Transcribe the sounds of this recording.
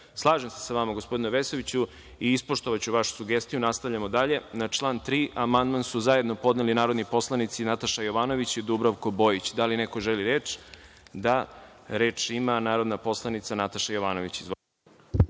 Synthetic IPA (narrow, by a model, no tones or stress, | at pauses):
slˠaːʒemse̥saʋamaɡospo̞d̪inuʋesoʋit͡ɕu | iispo̞ʃt̪o̞ʋat͡ɕuʋaʃu̥suɡest̪ijunast̪aʋʎʲamod̪aʎe̞nat͡ʃlˠaːnt̪ɾiːʔamand̪mansuzaje̞d̪no̞po̞d̪nelinaːɾod̪nipo̞slˠanit̪sinat̪aʃajo̞ʋaːno̞ʋit͡ɕid̪ubɾaʋko̞bo̞ːjit͡ɕd̪alinekoʒeliɾeːt͡ʂ | d̪aɾeːt͡ʂimanaːɾo̞d̪napo̞slˠanit̪sanat̪aʃajoʋaːno̞ʋit͡ɕizʋo